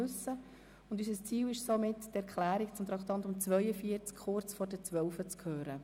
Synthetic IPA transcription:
ʉsə | ʊndys̬əst͡siːwɪʃsomɪttɛɾkʰlæːɾikt͡sʊmt̪ɾɑkt̪ɑntʊmt͡sʋœjəfiəɾt͡skχʊrt͡sfɔɾdɛt͡sʋœlfət͡skʰhøːɾə

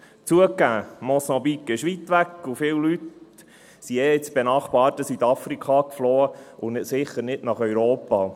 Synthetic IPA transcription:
t͡suəkːæːmɔsɑbikːɪʃʋit̪ʋækːʊfɪːwlyt̪ | siɛːɪt͡sb̥enɑχbɑːtːəsit̪ɑfɾikʰχɑkfloːəʊnɪtsɪχəɾnɪdnɑχœɥɾoːpɑː

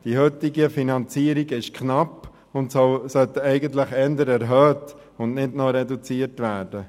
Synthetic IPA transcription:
d̥ihøtɪɡəfinɑnt͡siːəɾiɡɪʃkʰnɑp | ʊntsɔsœt̪əɛɪɡənt̪ləχɛndəɾɛɾɦœːt | ʊndnɪdnɔɾɛdut͡siːətʋæːɾd̥ə

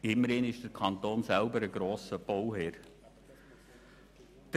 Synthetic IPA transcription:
ɪmːəɾɪnɪʃd̥əɾkʰɑnt̪oːnsælbəɾəɡɾoːsəb̥owhɛːɾ | d̥ə

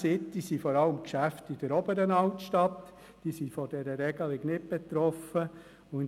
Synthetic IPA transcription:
sɪtːisifɔɾɑləmkʃæftid̥əɾɔbəɾənɑʊtʃtɑt̪ | d̥isifɔd̥ɛɾəɾɛɡəlɪɡnɪt̚b̥et̪ɾɔfə | ʊ

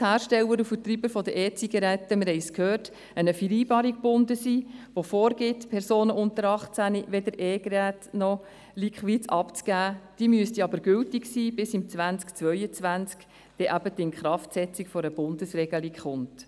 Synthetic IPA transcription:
hæːɾʃtɛwəɾufətɾibəfɔd̪əʔɛːt͡siɡɑɾɛtːəmɪɾhɛɪskhøːrt | ənəfiɾiːbɑːɾik̚b̥ʊndəsiːʋofɔːɾɡɪtpʰɛɾsoːnəʔʊntəɾɑχt͡sæniʋɛdəɾʔɛːɡɾæːtnɔ | likχʋit͡sɑpt͡sɡ̥æːd̥iːmyəstiɑbəɾɡʏltiksiːb̥ɪsimt͡sʋænt͡skt͡sʋœʏət͡sʋænt͡sk | d̥ɛʔæb̥ədɪnχɾɑftsɛt͡sikfɔɾəb̥ʊndəsrɛɡəlikχʊnt

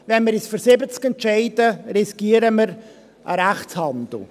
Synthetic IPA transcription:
vɛnməɾɪsfyɾsɪbət͡skɛntʃɛɪdəɾisɡ̥iːəɾəməɾ | ʔə̰ɾæχt͡shɑnd̪l̩

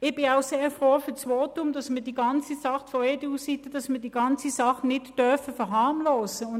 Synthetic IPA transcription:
ɪb̥ɪaʊseːfʁoːfʏɐt͡sʋoːtʊmd̥ɑsmədiːɡɑnt͡sisɑχfɔɛdiusitəd̥ɑsmidiːɡɑnt͡sisɑχnɪtd̥œɐfəfɛɐɦɑːmloːsəʊn

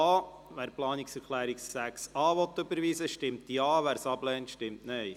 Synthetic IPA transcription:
ɑː | ʋæːɾplɑːniksɛɾkʰlæːɾiksːæksɑːʋɔt̪ːʏbəɾʋiːsəʃtɪmtjɑːʋæːɾsɑblɛːntʃtɪmtnɛj

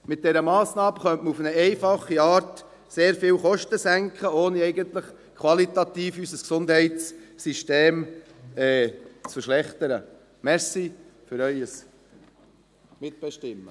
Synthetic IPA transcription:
mɪt̚d̥ɛɾəmɑːsnɑːbəχœntməufənəɛɪfɑχːiɑːɾt | seːɾfɪːwχɔʃtəsæŋkχəoːniɛɪjɡənt̪ləχ | kʰwɑlit̪ɑt̪iːfysəsksʊnd̪hɛɪtssiʃteːm | ɛːt͡sfəɾʃlɛχt̪əɾə | mɛɾsifʏɾœʏəs | mɪt̪̚b̥ɛʃtɪmːə

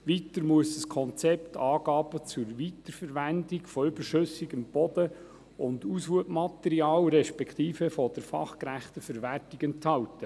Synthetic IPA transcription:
ʋit̪əɾmuəsəskʰɔnt͡sɛptʰɑːɡ̥ɑːbət͡sʊɾʋit̪əɾfəɾʋændiɡfɔʏbəɾʃʏsiɡəmb̥ɔd̪ə | ʊnd̪usʋuəpmɑt̪ɛɾiɑːlɾɛʃpɛkʰt̪iːfəfɔd̥əɾfɑ̰χkɾæχt̪əfəɾʋærtiɡɛnthɑltə

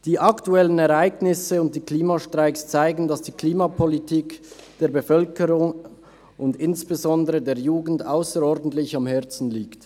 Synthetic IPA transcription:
d̥iːʔɑktuɛlənɛʁaɪɡnɪsəʊnt̚d̥iːkliːmaʃtʁaɪkst͡saɪɡn̩dɑsd̥iːkʰliːmapʰɔlitʰiːkd̥eːɐbefœlkəʁʊŋ | ʔʊndɪnsb̥ezɔndəʁədeːɐjuːɡn̩daʊsəɾɔʁdn̩tlɪçɑmhɛɐt͡sn̩liːkt

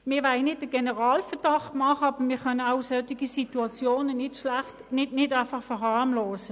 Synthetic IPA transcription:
mɪːʋaɪnɪdəɡ̥enəʁaːlfəɐd̥ɑχtmɑχəɑb̥əmɪːkœnəaʊsœtiɡisituɑt͡sjoːnənɪtʃlæχtnɪdnɪdaɪfɑχfɛɦɑʁmloːsə

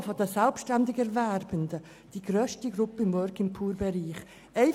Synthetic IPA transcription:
fɔdəsɛlpʃtɛndɪɡɛɾvɛɾb̥əndə | d̥iːɡ̥ɾøːʃtiɡɾʊpəɪmvɔɾkɪmpʰuːɾbɛɾiːχ | ɛɪ

